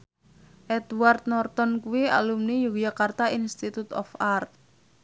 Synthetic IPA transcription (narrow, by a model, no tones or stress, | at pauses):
ʔɛd̪ward̪̚nɔrt̪ɔnkuwia̰lumnijuɡjakart̪ainst̪it̪ut̪ɔ̰fart̪̚